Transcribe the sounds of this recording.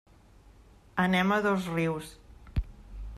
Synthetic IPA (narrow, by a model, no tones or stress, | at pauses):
ənɛməðozriws